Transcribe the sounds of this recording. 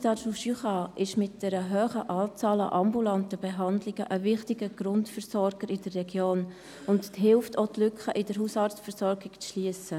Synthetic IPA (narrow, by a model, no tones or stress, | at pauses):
tɑːʃuʃyχɑʔɪʃmɪt̚d̥ɛɾəɦøːχəʔɑːt͡sɑːlɑ̰ʔɑmbulɑntəbɛɦɑndlɪɡəʔəvɪχtɪɡəɡ̥ɾʊntfəɾsɔɾɡ̥əɾɪdərːɛɡjoːn | ʊntɦɪlftoːtlʏkχəʔɪdəɾɦuːsɑɾt͡sfəɾsɔɾɡɪkt͡sʃliəsə